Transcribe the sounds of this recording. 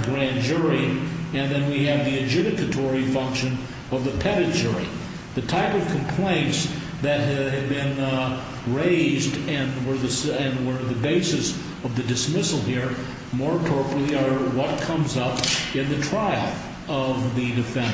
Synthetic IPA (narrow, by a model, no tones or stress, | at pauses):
ɡɹæ̃nd͡ʒʊɹiɨ̃nðɨ̃nwiɨvðiɨd͡ʒɪɾɨkɨtʰɔɹifʌ̃ŋkʃɨ̃n | ʌvðɨpʰɛɾɨtd͡ʒʊɹḭ | ðɨtʰaɪpʌv̥kʰm̩pʰl̥ẽɪ̃nts | ðɨt̚ɦɨd̚bɪ̃n | ɹeɪzdɨ̃nwə˞ðɨsɨ̃nwə˞ðɨbeɪsɨs | ʌvðɨdɨsmɪsl̩ˠhiɹ | mɔɹpʰɔɹpɹlˠiə˞wʌt̚kʰʌ̃mzʌpɨ̃nðɨtʰɹ̥aɪɨ̃ɱf | ʌvðɨdɨfɛ̃n